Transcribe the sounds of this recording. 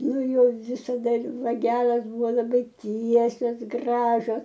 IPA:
ˈnʊ ˈjoː ʋʲɪsɐˈdɐ ɪr ʋɐˈɡʲæːlˠɐs ˈbʊʋoː lˠɐˈbɐɪ ˈtʲiɛsʲoːs ˈɡrɑːʒʲoːs

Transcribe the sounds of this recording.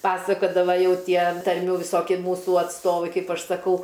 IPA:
ˈpɑːsɐkoːdɐʋɐ ˈjɛʊ ˈtʲiɛ tɐrʲˈmʲuː ʋʲɪˈsoːkʲɪ ˈmuːsʊ ɐtsˈtoːʋɐɪ ˈkɐɪp ˈɐʃ sɐˈkɐʊ

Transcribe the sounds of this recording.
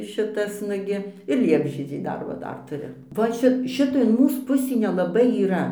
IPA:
ˈʃʲɪtɐs ˈnʊɡʲɪ ɪr ˈlʲiɛbʲʒʲiɛd͡ʒʲɛɪ ˈdɐr ʋɐ ˈdɐr tʊˈrʲʊ ʋɐ ˈt͡ʃʲɛ ˈʃʲɪtɐ ɪn ˈmuːs ˈpʊsʲiː nʲɛˈlˠɑːbɐɪ iːˈrɐ

